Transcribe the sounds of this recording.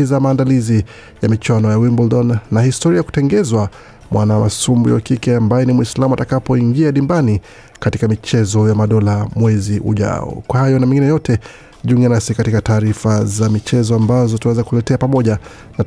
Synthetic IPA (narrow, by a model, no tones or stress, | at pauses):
izamaːndalizi | jamit͡ʃwanɔjawimbɔldɔnːahistɔɾiaku̥tɛŋɡɛzwa | mwʔanamasumbṵwa̰kikɛambajɛnimwislamuatakapɔiŋɡiaɗimbani | katikamit͡ʃɛzɔjamaɗɔlamwɛziʔṵʄa̰ɔ̰kwahajɔnamĩŋɡinɛjɔtʰɛ | ʄuŋɡanasikatikataːɾifazamit͡ʃɛzɔambazɔtawɛzakulɛtɛapamɔʄa | na